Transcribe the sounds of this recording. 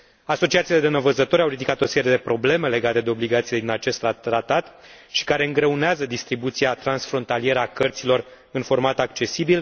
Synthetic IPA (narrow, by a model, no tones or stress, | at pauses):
aso̞t͡ʃiat̪siːle̞d̪enəvəzət̪oɾʲawɾid̪ikat̪o̞se̞ɾjed̪e̞pɾo̞ble̞me̞le̞ɡat̪e̞d̪eo̞bliɡat̪sile̞d̪inat͡ʃe̞st̪ːɾaɾat̪at̪ | ʃi̥kaɾe̞ɨŋɡɾe̞uneazəd̪ist̪ɾibut̪siat̪ɾansfɾo̞nt̪alije̞ɾəakərt̪silo̞r | ɨnfo̞rmat̪akt͡ʃe̞sibil